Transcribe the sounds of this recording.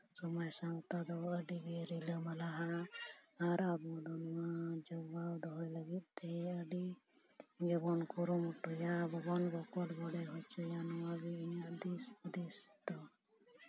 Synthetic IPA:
sɔmajsãwt̪ad̪ɔəɖiɡeɾiləmɐlaɦa | aɾab̪ɔd̪ɔnad͡ʒɔbawd̪ɔɦɔjləɡit̪̚t̪ɛəɖi | ɡɛbɔnkuɾumuʈujabɔɡɔnbɔkɔlbɔɽɛɦɔt͡ʃujanɔaɡiiɲad̪isd̪ist̪ɔ

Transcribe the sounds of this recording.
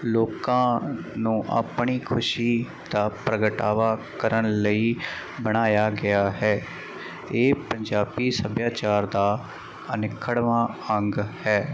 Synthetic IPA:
loːkãːnũːʔa̰ːpɳ̃iːkʰʊʃiː | d̪aːpɾəɡəʈaːʋaːkəɾənləiː | bəɽ̃aːjaːɡɪaːɦɛː | eːpəɲd͡ʒaːpiːsəbjaːt͡ʃaːɾd̪aː | ənɪkʰːəɽʋãːəŋɡhɛː

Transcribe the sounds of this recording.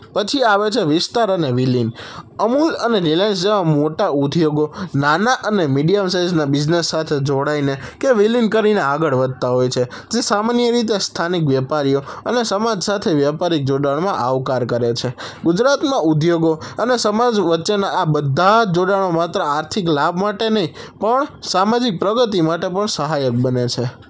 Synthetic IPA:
pət͡ʃʰiaʋet͡ʃʰeʋɪst̪aɾəneʋilinəmuləneɾilens̬d͡ʒeʋãmoʈaud̪ʱjoɡonanaʔənemiɖijəmsajd͡ʒnabɪd͡ʒnesːat̪ʰed͡ʒoɽainekeʋilinkəɾineaɡəɭʋəd̪̚ʱt̪aɦojt͡ʃʰe | d͡ʒesamanijəɾit̪̬est̪ʰanik̬ʋjɛpaɾijoənesəmad͡ʒsat̪ʰeʋjapaɾik̚d͡ʒoɽaɽ̃mãʔaʋkaɾkəɾet͡ʃʰe | ɡud͡ʒɾat̪mãʔud̪ʱjoɡoənesəmad͡ʒʋətːʃenaːbəd̪ʱːad͡ʒoɽaɽ̃omat̪ɾəaɾt̪ʰiklabmaʈenəɦĩpəɳsamad͡ʒik̚pɾəɡət̪̬imaʈepəɳsəɦajək̚bənet͡ʃʰe

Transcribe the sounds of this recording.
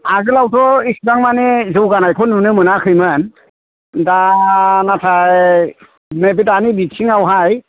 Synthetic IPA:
azɯlawtʰɔisbaŋmanezɯwɡanajkʰɔnunɯmɯnakʰɯjmɯn | danatʰaj | meb̬itanibisʰiŋawɦaj

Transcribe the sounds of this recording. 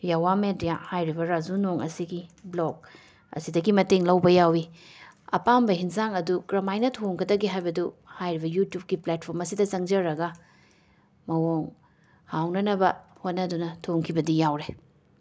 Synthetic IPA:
jawamedijahajɾibɐɾazunoŋɐ̰siɡiblok̚ | ɐ̰sidɐɡimɐteŋlɐwbɐjawiɐ̰pambɐɦinzaŋɐdukɾɐmajnɐtʰoŋkʰɐdɐɡiɦajbɐduhajɾibɐjutjup̚ɡiplat̚pʰoɾmɐsidɐt͡ʃɐŋd͡ʒɐɾɐɡɐ | mɐwoŋ | hawnɐnɐbɐhot̚nɐdunɐtʰoŋkʰibɐdijawɾe

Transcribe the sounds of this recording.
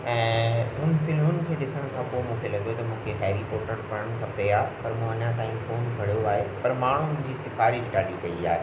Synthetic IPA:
ɛ̃ːʊnfɪlmʊnɪ̆kʰeːɗɪsəɽ̃kʰãːpoːemũːkʰelɐɠjot̪ɐmũːkʰeɦɛːɾipoːʈəɾpɐɾəɽ̃kʰɐpeaːɦpɐɾmũːɐɲãt̪aːĩfoːnɡʱɐɽijoaːɦepɐɾmaːɳ̤uʊ̃d͡ʑiːsɪfʰaːɾiɪʈaːɗikɐiaːɦe

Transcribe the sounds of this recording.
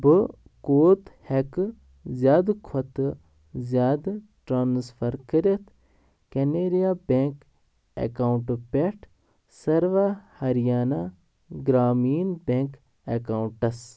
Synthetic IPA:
bɨ | koːt̪hekɨ | zʲjaːd̪kʰɔt̪ɨ | zʲjaːd̪ | ʈɾaːnsfɐɾkəɾet̪ʰ | keneːɾijaːbeːŋk | ḛkawuɳʈpʲeʈʰ | sɐɾʋahɐɾjaːna | ɡɾaːmiːnbeŋk | ekawuɳʈɐs

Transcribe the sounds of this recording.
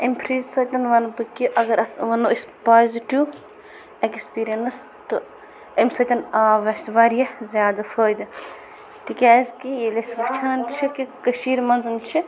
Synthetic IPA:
impʰɾiːzsɐt̪ʲɐnʋɐnpɨkiʔɐɡɐɾɐt̪ʋɐnoispaːziʈiw | ekspiːɾijɐnɐs | t̪u | ɐmsɐt̪ʲɐnaːʋɐsʋaːɾijɐzʲjaːd̪ɐfʰəːjd̪ɨ | t̪ikʲaːzʲkielɐsʋɐt͡ʃʰaːnt͡ʃʰikikɐʃiːɾmɐnzɨnt͡ʃʰi

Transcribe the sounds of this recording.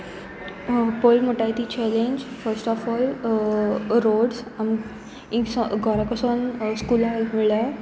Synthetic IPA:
polmoʈajt̪it͡ɕɛlẽɲd͡ʑfəɾsʈɔfɔl | ɾoɽsam | ĩsɡʱɔɾakəsonskulamiɭa

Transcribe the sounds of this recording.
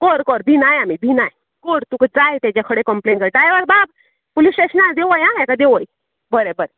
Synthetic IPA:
kɔɾkɔɾbinajamibinaj | kɔɾt̪ukəd͡zajt̪ad͡ʑakʰəɽekəmpleɳʈɡəʈajʋəɾbab | polisʈeɕənad̪eʋəjãjakad̪eʋəj | bəɾebəɾe

